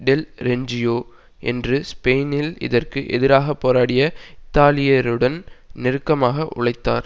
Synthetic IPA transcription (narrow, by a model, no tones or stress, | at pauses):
ɖɛlɾɛɲd͡ʒɪjoː | ʔɛ̰ndrɯspeːnɪlɪ̰ðɐrkɯʔɛ̰ðɪɾaːɣɐpːoːɾaːɽɪjɐɪt̪ːaːlɪjɐɾɯɽɐnnɪɾɯkːɐmaːɣɐʔʊ̰ɭɐɪt̪ːa̰ːɾ